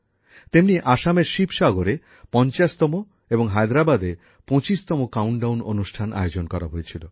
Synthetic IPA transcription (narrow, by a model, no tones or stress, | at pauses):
t̪emniʔaʃameɾʃipʃaɡoɾe | pɔnt͡ɕaʃt̪ɔmo | eboŋɦajd̪ɾabad̪e | põt͡ɕiʃt̪ɔmokawɳɖawnonuʃʈʰanʔa̰jod͡ʑonkɔɾa̰ɦojet͡ɕʰilo